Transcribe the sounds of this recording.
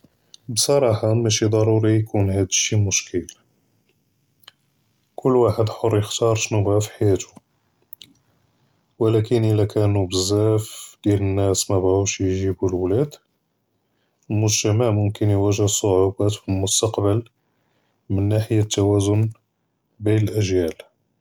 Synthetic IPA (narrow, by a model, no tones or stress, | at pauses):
bsˤɑɾˤɑħɑmæʃid̪ˤɑɾˤuɾijkʰunɦæd̪əʃːimʊʃkʰəl | kʰʊlːwaħəd̪ħorˤːjəxt̪ɑɾˤʃnubhæfi̥ħajæt̪u̥ | wəlækənʔəlækʰænubəzːæfd̪jælənːæsmæbʕuʃjʒibulwlæd̪ | mʊʒt̪æmæʕmʊmkənjwæʒəhsˤːoʕubæt̪filmʊst̪ɑqbəl | mənːaħəjat̪ːæwæzʊn | binəlʔæʒjæl